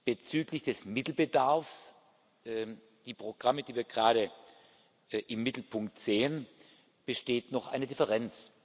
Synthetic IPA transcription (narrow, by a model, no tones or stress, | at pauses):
b̥ət͡syːklɪçd̥ɛsmɪtl̩bədaɐfs | d̥iːpʁ̥oɡ̥ʁamədiːviːɐɡʁaːɾə | ʔɪmːɪtl̩pʰʊŋk̚tz̥eːən | b̥əʃteːtnɔχʔaɪnədɪfəʁɛnt͡s